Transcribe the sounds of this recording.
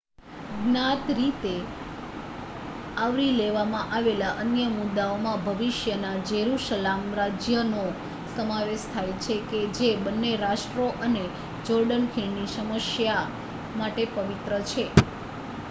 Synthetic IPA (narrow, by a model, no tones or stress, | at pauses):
ɡnat̪ɾit̪e | aʋɾileʋamãʔaʋelaʔənjəmud̪ːaomãbʱəʋiʃjənad͡ʒeɾuʃəlamɾad͡ʒjəno | səmaʋeʃt̪ʰajt͡ʃʰeked͡ʒebənːeɾaʃʈɾoʔəne | d͡ʒɔɾɖənkʰiɳniʃəməʃja | maʈepəʋit̪ɾət͡ʃʰe